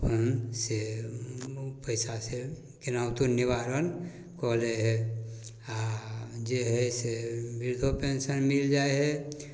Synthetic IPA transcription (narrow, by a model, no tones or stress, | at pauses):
ənse | pəɪsase | kɪnaːwt̪unɪʋaːɾən | koːleɦɛ | ad͡ʒeɦɛsebɪɾd̪ʱopẽːnsənmɪld͡ʒaːeɦɛ